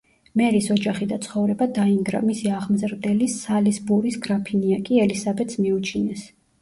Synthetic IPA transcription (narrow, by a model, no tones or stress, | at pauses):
mɛɾisɔd͡ʒaχid̪at̪sʰχɔvɾɛbad̪aiŋɡɾa̰misiaʁmzɾd̪ɛlisalisbuɾisɡɾapʰiniakʼiɛlisabɛt̪smiut͡ʃʰinɛs